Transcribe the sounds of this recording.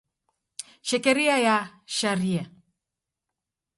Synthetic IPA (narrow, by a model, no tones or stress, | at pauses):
ʃɛkɛɾiajaʃaɾia